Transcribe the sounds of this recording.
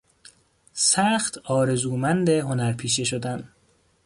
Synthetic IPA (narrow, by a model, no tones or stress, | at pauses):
sæːxt̪ʰɒːɾe̞zuːmænd̪eɦo̞næɾpʰiːʃeʃod̪æn